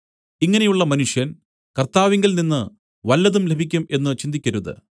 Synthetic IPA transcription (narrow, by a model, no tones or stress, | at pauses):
iŋːɐne̞juɭːɐmɐnuʂjɐn | kɐrt̪aːʋiŋɡilninːɨ | ʋɐlːɐðumlebʱikʲːume̞nːɨt͡ɕind̪ikʲːɐɾuðɨ̰